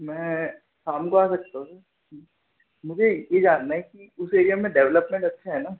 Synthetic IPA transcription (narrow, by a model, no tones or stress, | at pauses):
mɛ̃ː | kaːmkoaːsɐk̚t̪aɦũsɐɾ | mʊd͡ʒʱejed͡ʒaːnːaɦɛkiʊseːɾijamẽɖɛːʋləpmẽɳʈɐtːʃʰaɦɛnaː